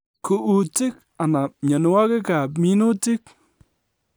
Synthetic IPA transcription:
ku˦u˦ti˦k̚ | a˨na˨ɲa˨n˨˦wa˦ke˦ka˨mi˦no˦ti˦k̚

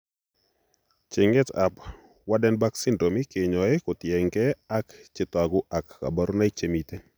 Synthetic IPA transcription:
t͡ʃɪ˨ŋɛ˦ta˨p | wa˦dɛ˦nba˦ksi˦ndo˨mi˦ke˨ɲɔ˨ekɔ˨tjɛ˨ŋɡɛ˦a˦kt͡ʃɪ˨t̪ɔa˨ɡʊ˦ʔa˨kːa̰˨ba˦ɾo˦na˦it͡ʃe˨mite˦

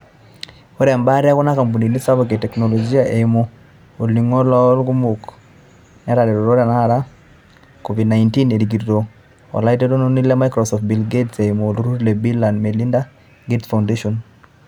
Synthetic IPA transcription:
o˦ɾɛ˨a˨mba˦ɾɛ˦a˦kɔ˦na˦ka˨mp̬u˨ni˨ni˦sa˦βɔ˨k̬e˨tɛ˨knɔ˨lɔd͡ʒi˦aʔe˨imo | o˨li˨ŋo˦lɔ˦lku˦mu˨k | nɛ˦ɾa˨dɛ˨ɾo˨ɾo˦ɾɛ˨naː˦ɾa˦ | kɔvi˨dna˨jnti˦ne˨ɾiɡ̬i˨ɾɾo˨ | ɔ̰˨la˦i˦tɛ˦do˦no˦ni˦lɛ˦ma˦jkɾɔsɔft̚bilɡetse˨jmo˨lu˦ɾu˦ɾle˨bi˦la˨nme˨li˦nda˦ | ɡe˦tsfa˨unde˦ʃɔn

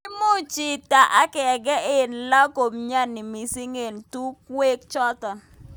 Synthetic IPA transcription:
mo˦t͡ʃi˨ta˨ʔa˦kɛ˨ɛ˨ɡɛ˦ʔɪ˦˨nla˦ko˨mɲa˦nɪ˨mi˨si˦ŋe˨ntu˦kwe˦k̚t͡ʃɔ˦tɔ˨

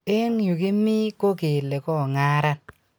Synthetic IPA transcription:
e˦ŋju˨ki˦mi˦ko˦ke˨le˨kɔ˦˨ŋa˦ɾa˦n

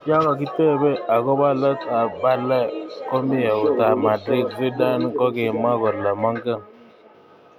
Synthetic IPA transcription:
d͡ʒa˦kɔ˨ki˦te˦˨be˦ʔa˨kɔ˦ba˦lə˦ta˨ba˦lɛ˦kɔ˦mi˦ja˨u˨ta˨ma˨dɾi˦dɾi˦da˦n˦kɔ˦ke˨ma˦ɡɔ˨lə˨ma˦ŋɡə˦ŋ

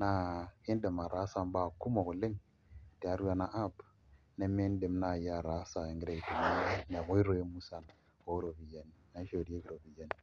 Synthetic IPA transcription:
na˦i˦de˨ma˨ɾa˨˦sa˦˨m˦ba˦˨ku˦mo˨ku˨lɪ˦ŋ | tɛ˨a˨˦ɾu˦a˨na˦ʔa˦p | nɛ˦me˦n˦de˨mna˦˨ja˦˨ɾa˨˦sa˨i˨ŋɡi˦ɾe˨ti˨mi˦ne˨ɣo˦i˦ɾo˦e˦mu˦sa˨n | o˨˦ɾo˨bi˨ja˨ni˨na˦ʃo˨ɾi˦e˦ki˨ɾo˨bi˨ja˨ni˨

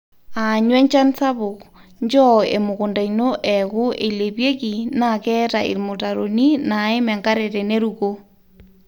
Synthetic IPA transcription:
a˨ɲwɛ˦ɲt͡ʃa˦nsa˦βo˨kɲd͡ʒɔ˦ḛ˨mo˨ɣo˨nda˨ino˦ʔɛ˨ɣo˦e˨le˨βje˦ki˨nakɛ˦ta˨ʔḛ˨ɾmo˨ta˨ɾo˨ni˦na˦e˦mɛ˨ŋɡa˦ɾe˨ɾe˨ne˦ɾuko˦

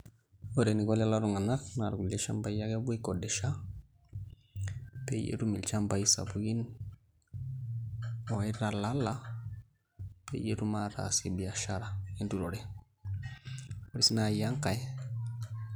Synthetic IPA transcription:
oɾeni˨ɡɔ˦lɛlaɾuŋa˨na˦kna˨ɾɡu˨lɛʃa̰mba˨ja˦ɡɛ˦bu˦i˦kɔdɛ˨ʃa˦ | pḛjḛ˦tumi˨lt͡ʃa˦mba˨isa̰˨puɡi˦n | ɔi˦ɾa˨la˦lːa˦ | pḛje˦tumaɾa̰si˨bi˨a˨ʃaɾaentuɾo˨ɾɛ | oɾi˦si˦naja˦ŋka˨ɛ˦

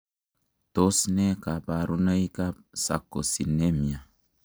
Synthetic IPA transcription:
to˦snɛ˦ka˨pa˨ɾu˦nə˦i˦ka˦p̚sa̰˨kːo˨si˨ne˦mi˨a˨

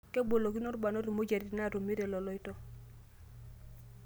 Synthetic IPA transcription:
ke˦bo˨lo˨ki˦no˦ɾba˨nɔ˦ɾi˨mo˦d͡ʒa˨di˨dna˦˨ɾo˨mi˦ɾe˨lɔ˨lɔ˦i˦tɔ˦

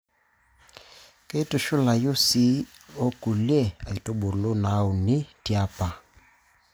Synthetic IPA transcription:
ke˦tu˨ʃʊ˦la˨jo˦si˦ | o˦ku˨lɛ˦˨a˨i˨to˦bo˨lo˦na˨˦u˨ni˦ti˦a˦pa˨

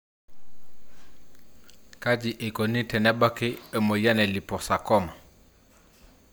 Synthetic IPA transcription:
ka˦d͡ʒi˨ʔe˨ko˨ni˦tɛ˨nɛ˦ba˦kɪ˦ə˨mo˨ja˦nɛ˨li˨pɔ˨sa˨kɔ˦˨ma˨

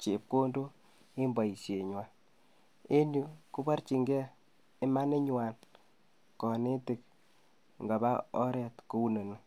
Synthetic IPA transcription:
t͡ʃe˨p̚ko˦ndo˦ | e˦mba˨i˨sje˨ɲwa˨ | e˦nju˦˨ku˦ba˦ɾt͡ʃi˨ŋɡɛ˦ | e˦ma˦ne˦ɲwa˨n | kɔ˨ne˦ti˨k̚ | ŋɡa˨ba˦ɔ˦ɾɛ˦˨tku˨˦u˦no˨nu˦

